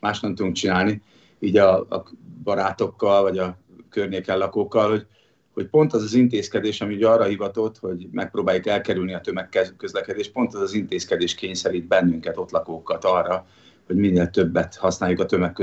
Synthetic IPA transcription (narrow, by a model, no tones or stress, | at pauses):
maːʃnɛmt̪ud̪uŋk̚t͡ʃinaːlni | iːɟɒɒ̰bɒɾaːt̪o̞kːɒlvɒɟɒ | kørɲeːkɛllɒkoːkːɒlho̞ɟ | ho̞cpo̞nt̪ɒzɒzint̪eːskɛd̪eːʃɒmiuɟɒrɒhivɒt̪o̞t̪ho̞ɟmɛk̚proːbaːjukɛlkɛɾylniɒt̪ømɛkːɛkːø̞zlɛkɛd̪eːʃ̚po̞nt̪ɒzɒzint̪eːskɛd̪eːʃkeːɲsɛɾiːd̪̚bɛnːyŋkɛt̪o̞t̪lɒkoːkːɒt̪ɒrːɒ | ho̞ɟminːeːlt̪ø̞bːɛt̪hɒsnaːjukɒt̪ø̞mɛkːø